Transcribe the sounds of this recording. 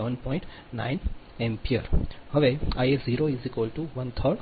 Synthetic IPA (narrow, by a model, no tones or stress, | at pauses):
ʋə̃npɔ̃ːɪ̃ɳʈ | nã̰ɪn | ẽmpʰiəɾhəʋeajesziːɾoizikʋəlʈuʋɐ̃nt̪ʰəɾɖ